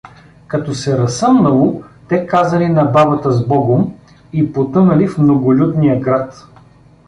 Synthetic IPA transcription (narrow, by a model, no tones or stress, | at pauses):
kɐt̪ɔsɛɾɐsɤmnɐlˠot̪ɛkazɐlinɐbabɐt̪əzbɔɡom | ipot̪ɤnɐlifmnoɡolʲud̪nijəɡɾat̪